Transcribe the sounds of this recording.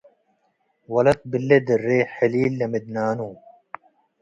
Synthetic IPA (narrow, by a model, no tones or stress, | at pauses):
wɐlɐt̪̚bilːed̪ərːeːħeliːlːɐmid̪naːnuː